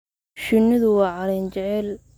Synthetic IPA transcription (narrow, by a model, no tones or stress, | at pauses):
ʃɪnːɪðʊwɑːʕɑlɛnt͡ʃɛʕɛl